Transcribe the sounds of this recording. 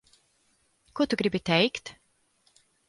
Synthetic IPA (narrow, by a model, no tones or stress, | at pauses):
kuɔt̪uɡɾibit̪ɛjkt̪